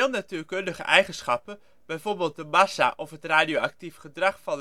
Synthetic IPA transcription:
lˠnatyːɹkɵndəχə̰ʔɛjχənsχɑpən | b̥ɛjvoːɹbeːlˠt̚dəmɑsa̰ʔɔfɦətraːdijowɑk̚tifχədrɑχfɑn

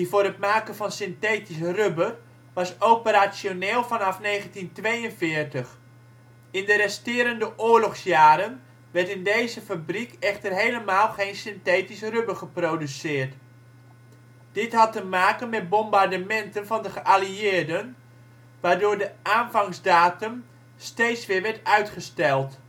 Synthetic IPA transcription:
divʊːɾətmaːkənvɑnsɪnteːtisrøbər | ʋɑsowpəɾasjoneːlˠfɑnɑfneːɣəntintʋejənvɪːərtəχ | ɪndəɾɛstɪːɾəndəʔʊːəɹlɔχsjaːɾən | ʋɛrtɪndejzəfabrikɛχtərɦejləmaːlˠχejnsɪnteːtisrøbərχəprowdysɪːɹt | d̥ɪtɦɑtəmaːkənmɛt̚bɔmbardəmɛntənvɑndəχəʔaliɪːrdən | ʋaːrdʊːɹdəʔaːnvɑŋzdaːtəm | stejtsʋɪːɹʋɛɹtœɥtχəstɛlˠt

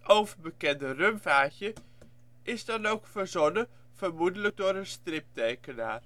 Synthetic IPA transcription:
owvəɹbəkɛndərømvaːçjə | ʔɪzdɑnowkfəɹzɔnə | v̥əɹmudələɡ̚dʊːɾənstrɪp̚tejkəna̰ːr

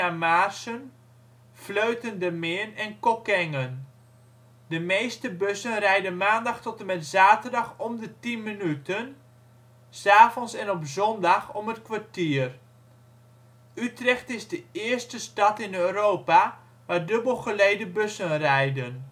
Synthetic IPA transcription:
amaːrsən | fløɥtəndəmɪənɛnkɔkɛŋən | dəmejstəbøsənrɛjdənmaːndɑχtɔtəmɛtzaːtərdɑχɔmdətinmənytən | saːvɔnsɛnɔpzɔndɑxɔmətkʋartiːər | ytrɛxtɪzdəɪərstəstɑtɪnøːɾoːpa | ʋaːdɵbəlˠχəlejdəbøsənrɛjdən

